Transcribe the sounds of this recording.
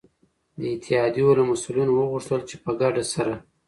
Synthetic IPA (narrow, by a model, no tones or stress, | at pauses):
d̪əɪt̪ʰɪhɑd̪jolamasulinowəɣuʂt̪əlt͡ʃepəɡaɖasaɾa